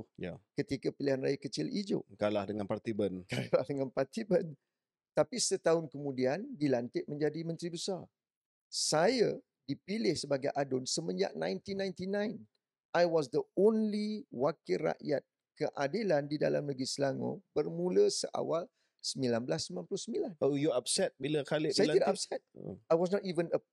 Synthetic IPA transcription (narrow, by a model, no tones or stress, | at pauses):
uja̰kət̪ikapilihanra̰jakət͡ʃɪlid͡ʒʊ̰ʔkalahdəŋanpart̪ibənkajlahdəŋanpart̪ibən | t̪apisət̪aʊnkəmũdiandilant̪ɪʔ̚mə̃ɲd͡ʒadimə̃nt̪ɾibəsar | saja | dipilɪhsəbaɡajʔadʊnsəmə̃ɲd͡ʒa̰ʔnãjnt̪inãjnt̪inãjn | ajwɔsd̪əonliwakɪra̰ʔja̰t̪̚ | kəʔadilandida̰lamləɡislaŋõ̰bərmũləsə̰ʔa̰wal | səmbilanbəlasəmbilãnpulʊhsəmbilanojuap̚sɛt̪̚bilakalɪsajaidaap̚sɛt̪̚ajwɔsnɔt̪ivənə